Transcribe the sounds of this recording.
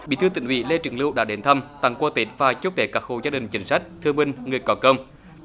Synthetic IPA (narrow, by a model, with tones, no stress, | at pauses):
ɓḭ˧˥t̪ʰɨ˧t̪ḭ˧˨ŋhwḭ˧˥le˧t͡ɕɨ̰˨˧˩ŋlɨ˧wɗa̰ː˧˥ɗe˨˦nt̪ʰə˧mt̪a˨˧˩ŋkwəː˧t̪i˨˦˥t̚vaː˨˩t͡ɕu˦˥t̪ʰe˨˦kaː˦˥k̚ho̰˧˨˩zaː˧ɗï˨˩ŋ̟t͡ɕï˨˦ŋ̟sa˦˥jk̟̚t̪ʰɨ˧əŋmï˧ŋ̟ŋɨ˨˩əjkɔ˨˦kə˧wŋ͡m